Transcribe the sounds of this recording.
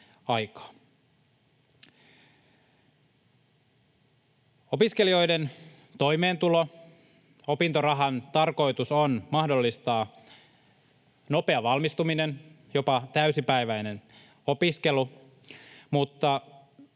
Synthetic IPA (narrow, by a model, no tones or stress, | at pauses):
ɑjkɑ̥ː | o̞piske̞lio̞jden | t̪o̞jme̞ːnt̪ulo̞ | o̞pint̪orɑɦɑnt̪ɑrko̞jt̪usonmɑhdo̞lːist̪ɑː | no̞pe̞ɑʋɑlmist̪uminen | jo̞pɑt̪æysipæjʋæjne̞n | o̞piske̞lu | mut̪ːɑ